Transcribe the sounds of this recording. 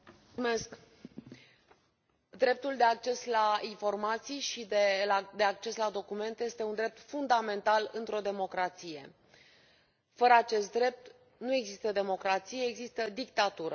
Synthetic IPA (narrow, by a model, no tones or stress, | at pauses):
me̞sk | d̪ɾe̞p̚t̪uld̪e̞ak̚t͡ʃe̞slainfo̞rmat̪sijʃid̪ed̪eak̚t͡ʃe̞slad̪o̞kume̞nt̪eje̞st̪e̞und̪ɾep̚t̪fund̪ame̞nt̪alɨnt̪ɾo̞d̪e̞mo̞kɾat̪sije̞̰ | fəɾəat͡ʃe̞st̪̚d̪ɾe̞p̚t̪ | nue̞ɡzist̪əd̪e̞mo̞kɾat̪sijeːɡzist̪əd̪ikt̪at̪uɾə